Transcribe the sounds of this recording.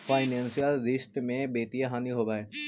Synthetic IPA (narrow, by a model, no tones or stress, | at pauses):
faːɪnẽːnsijəlɾɪst̪mẽbeːt̪ijaɦaːniɦoːɡaːeː